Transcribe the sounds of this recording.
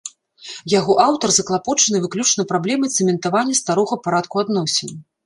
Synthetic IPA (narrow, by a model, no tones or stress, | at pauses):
jaɣɔʔawt̪ɐrzɐklˠapɔt͡ʂɐnɨvɨklʲut͡ʂnɐpɾablʲɛmɨt̪sɛmʲɛnt̪avanʲːɐst̪aɾɔɣɐpaɾat̪kuad̪nɔsʲenʲ